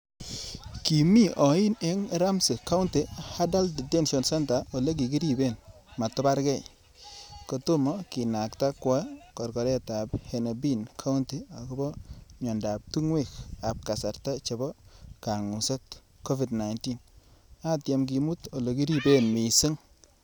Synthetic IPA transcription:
ki˨mi˦ʔɔ˨i˦ne˦ŋe˨ɾa˦msɪ˨ka˦ʊ˦nte˨ha˦da˦ldi˨tɛ˦nʃɔ˨nsɛ˦nta˨ɔ˨le˦k̬i˨ki˦ɾi˦be˦˨nma˨tɔ˦ba˦ɾkɛ˦˨ | kɔ˨to˦mɔ˦ki˨na˨kta˦kwɔ˦kɔ˨ɾkɔ˨ɾɛ˦ta˨phɛ˨na˨bi˦nkʰa˦u˦nti˨a˨kɔ˦bɔ˦ɲɔ˨nda˨p̚tu˦ŋwe˦˨ka˨p̚ka˨sa˨ɾta˦t͡ʃe˨bɔ˦ka˨ŋu˨sɔ˦t̚ | kɔ˦vi˨dna˨jnti˦na˦tja˨mk̬i˨mu˦tɔ˨lɔ˨k̬i˦ɾi˦be˦nmi˨sɪ˦ŋ

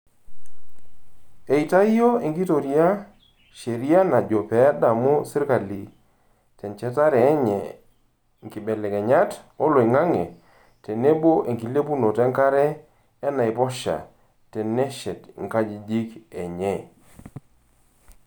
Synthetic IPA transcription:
e˨i˨ta˦jjo˦e˨ŋɡi˦to˨ɾi˦a˦ | ʃe˨ɾi˦a˦na˨d͡ʒo˨pɛ˨ja˦da˨mo˦sɪ˦ɾka˨li˨ | tɛ˨nt͡ʃɛ˦ta˦ɾɛː˨˦ɲɛ˨ | ŋ˨ki˨bɛ˨lɛ˨kɛ˨ɲa˦to˦lo˨i˨ŋa˦ŋḛ˨ | te˨ne˦bo˦ʔe˨ŋki˨le˦pu˦no˨tɛ˦ŋka˦ɾɛː˦ | na˨ɪ˨pɔ˦ʃa̰˨ | tɛ˨nɛ˦ʃɛ˨tŋka˦d͡ʒi˨d͡ʒi˦kɛ˨ɲɛ˦˨

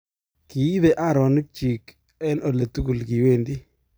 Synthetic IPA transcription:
ki˨i˦ðe˨ʔa˦˨ɾɔ˨nɪ˦k̚t͡ʃi˨k | ɛ˦no˨le˨tu˦ku˨lki˨we˦˨ndi˦

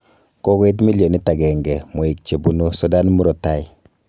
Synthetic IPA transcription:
ko˦ke˦t̬mi˦ljo˨ni˦ta˨ɡɛ˨ŋɡɛ˨mo˨i˨k̚t͡ʃe˨bu˦no˦sɔ˦da˦n˦mu˦ɾo˨ta˦j

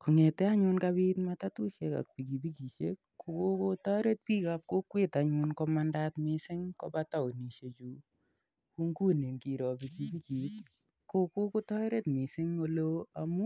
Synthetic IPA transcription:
ku˨ŋe˨tɛ˦a˦ɲʊ˧nka˦βi˦tmata˦tu˦ʃe˦ka̰˨k̚pi˨ki˨bi˦ki˨ʃe˦kːo˨ko˦ko˦tɔ˦ɾe˦t̚pi˦kap̚ko˦kwe˦ta˨ɲu˧nkɔ˦ma˦nda˦tmɪ˦sɪ˦ŋkɔ̰˦pa˦ta˦o˨ni˨ʃe˨t͡ʃu˦ | ku˦ŋɡu˦ne˨ŋɡi˨ɾɔ˨pi˨ki˨pi˦ki˨t | ko˦ko˦ko˦tɔ˦ɾe˦tmɪ˨sɪ˦ŋo˧loa˦mu˦

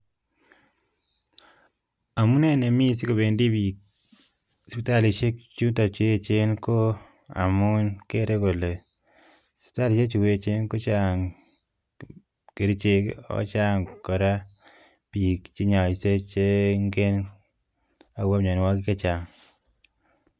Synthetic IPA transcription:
a˨mu˦nɛ˦ne˨mi˦˨si˦ko˨be˨ndi˦bi˨ | spi˨ta˦˨li˨t͡ʃe˦kt͡ʃu˦nta˨t͡ʃe˦e˦˨t͡ʃe˦nko˦ | a̰˨mu˦nke˦ɾe˦ko˨le˨ | spi̥˨ta˦li˨ʃe˦t͡ʃu˨we˦˨t͡ʃe˦nko˦t͡ʃa˦ŋ | ke˨ɾi˦t͡ʃe˦kɔ̰˦t͡ʃa˦ŋkɔ˨ɾa˦ | pi˨kt͡ʃi˦ɲa˨i˨se˦t͡ʃe˦ŋɡe˦n | a˨wa˦pɲa˨ni˨wa˦ki˦ke˦t͡ʃa˨ŋ

